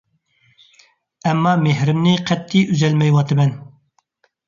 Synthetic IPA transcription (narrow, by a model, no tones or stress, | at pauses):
ɛmːɑmehɾɪmnɪqʰɛt̪ʰːiʔyzɛlmɛjwɑt̪ɨmɛn